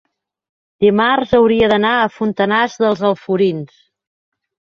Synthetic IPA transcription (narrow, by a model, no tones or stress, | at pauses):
d̪imarzəwɾiəðənaəfunt̪ənazðəlˠzəlˠfuɾins